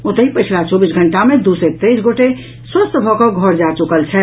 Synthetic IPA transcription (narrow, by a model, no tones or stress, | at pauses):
ot̪əɦipəɪt͡ʃʰlat͡ʃɔbisɡʱəɳʈamẽd̪usɛt̪esɡoʈe | swəst̪bʱɔkɔɡʱɔɾd͡ʒat͡ʃukəlt͡ʃʰɛ